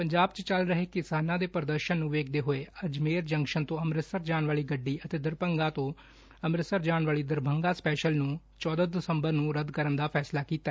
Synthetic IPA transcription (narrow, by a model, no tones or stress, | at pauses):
pəɲd͡ʒaːbt͡ʃt͡ʃəlɾəɦeːkɪsaːnãːd̪eːpəɾəd̪əɾʃənːũːʋeːk̚ʰd̪eːɦoːeːəd͡ʒmeːɾd͡ʒəŋkʃənt̪õːəmɾɪsəɾd͡ʒaːɳʋaːɭiːɡəɖːiːʔət̪eːd̪əɾpəŋɡãːt̪õː | əmɾɪsəɾd͡ʒaːɳʋaːliːd̪əɾbʱəŋɡaːspɛːʃəlnũː | t͡ʃɔːd̪ad̪ɪsəmbəɾnũːɾəd̪kəɾənd̪aːpʰɛːslaːkiːt̪aɛː